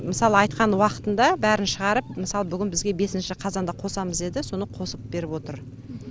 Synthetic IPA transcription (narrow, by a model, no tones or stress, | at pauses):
mɪsɑlˠəɑjt̪̚qɑnwɑqə̥t̪ənd̪ɑbæɾɪnʃəʁɑɾəp̚mɪsɑlˠəbʏɡʲɪnbɪzɡʲe̞be̞sɪnʃɪqʰɑzɑnd̪ɑqʰo̞sɑməze̞d̪ɪso̞nəqʰo̞səp̚be̞ɾɪpwo̞t̪əɾ